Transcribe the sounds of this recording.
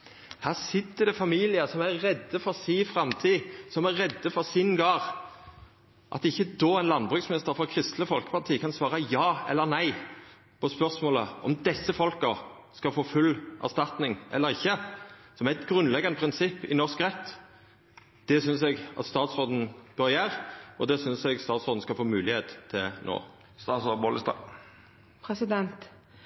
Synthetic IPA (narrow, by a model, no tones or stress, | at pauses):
hæːʁsɪt̪ːəd̪ɛfɑmiːlɪəsɔmæːɛd̪ːəfɔʁsiːfʁɑmt̪ʰiːsɔmæɾʁɛd̪ːəfɔʁsɪnɡɑːʁ | ʔɑ̰t̪ɪçːəd̪oːɛɪnlɑnbʁʉːksmɪnɪst̪əɾfɔʁkʰʁɪst̪ləfɔlkə̥pɑʁt̪ʰiːkʰɑnsʋɑːʁəjɑːɛ̰lːəɾnæɪ | pʰɔspœʁsmoːlə̰ɔ̰md̪ɛsːəfɔlkə | skɑlfoːfʉlːʔæ̰ʁst̪ɑt̪nɪŋʔɛ̰lːəʁɪçːəsɔmæɪt̪ɡʁʉnlɛɡːɑnəpʰʁɪnsɪpːɪ̰nɔʁskʁɛt̪ː | d̪̥ɛsʏnsɛɡɑt̪st̪ɑːt̪sod̪n̩b̥ɑɾɪæːʁɔd̪ɛsʏnsɛɡst̪ɑːt̪sɔd̪̩skɑlfoːmʉːlɪheːt̪ʰːɪlno̰ː | st̪ɑːsoboːləst̪ɑ̰ | pʰɾɛsɪd̪ɛnt̪